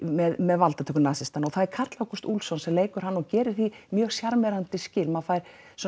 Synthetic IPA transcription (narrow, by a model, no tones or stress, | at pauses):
mɛðmɛðvalt̪at̪ʰɛkːʏnaːsɪst̪anɔɣθaðɛɾkʰat̪lawkɔst̪ulsɔnsɛmleːjkʏɾ̥hanːɔɣcɛːɾɪɾ̥θimjœːɣ̥sjaɾmɛɾant̪ɪscɪːlmafaːjɾ̥ | s